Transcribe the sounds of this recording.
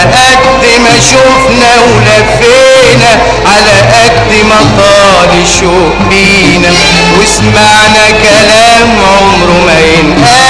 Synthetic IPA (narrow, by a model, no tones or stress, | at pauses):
ʔæk̚d̪ | mæʃʊfnæwlæf | eː | næ | ʕalæʔæk̚d̪mæt̪ˤɑː | lɪʃuːʔbiː | næ | wɪsmaʕnækælæːmʕomɾʊmæjɪnʔæ